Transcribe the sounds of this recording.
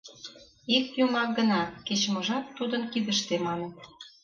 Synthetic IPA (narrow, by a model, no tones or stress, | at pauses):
ik̚t̪jumɑk̚ɡə̆nɑket͡ɕmɤ̆ʒɑt̪ːud̪ə̆nkiðə̆ʃt̪emɑnə̆t̪